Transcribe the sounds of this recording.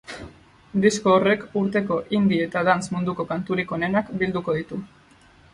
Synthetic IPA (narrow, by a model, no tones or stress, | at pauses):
d̪isko̞ːre̞kuɾt̪e̞ko̞ʔind̪ie̞t̪aðansmund̪uko̞kant̪uɾiko̞ne̞nakbild̪uko̞ðit̪u